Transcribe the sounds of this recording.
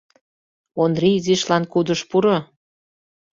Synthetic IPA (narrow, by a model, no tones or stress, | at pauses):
ond̪riziʃlɑnkud̪əʃpuɾo